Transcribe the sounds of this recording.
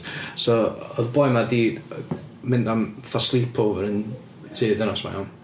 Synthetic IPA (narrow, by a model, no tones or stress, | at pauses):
sɔɔðbɔjmadiː | mɪndamθɔslˠipʰowvəɾən | tʰɨːðɛnɔsma̰jan